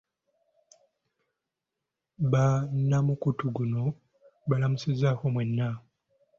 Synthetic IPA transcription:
βanːamukutuɡuno̞ | βalamusizakomwenːa

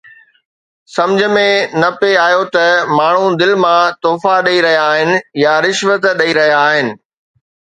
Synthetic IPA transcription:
sɐ̃md͡ʑʱə̆mẽnɐpeaːjot̪ɐmaːɳ̤ũd̪ɪlmãt̪oːfaɗɐiɾɐɦijaːɦɪnɪ̆jaɾɪʃʋət̪ɗɐiɾɐɦijaːɦɪnɪ̆

